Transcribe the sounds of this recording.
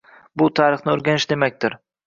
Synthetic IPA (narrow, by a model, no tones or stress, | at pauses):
bʊt̪ʰaːɾɨχnɪoɾɡʲanɪʃd̪e̞mak̚ʲt̪ɪɾ